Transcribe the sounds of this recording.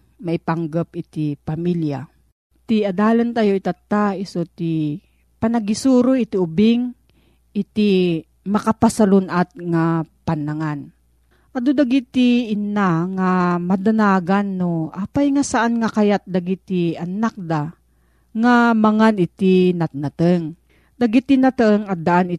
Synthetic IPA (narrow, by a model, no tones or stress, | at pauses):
maʔɪpaŋɡap̚ɪt̪ipamilja̰ | t̪iad̪aːlant̪ajoit̪at̪ːaɪsot̪i | panaɡisuːɾoʔɪt̪iʊbɪŋ | ɪt̪i | mɐkapasalonʔat̪̚ŋapanːaŋan | ʔad̪od̪aɡit̪iːnaŋamad̪anaːɡanːoʔapajŋasaʔanŋakajat̪̚d̪aɡit̪ianak̚d̪a | ŋamaŋanɪt̪inat̪̚nat̪əŋ | d̪aɡit̪inat̪əŋad̪aʔanɪ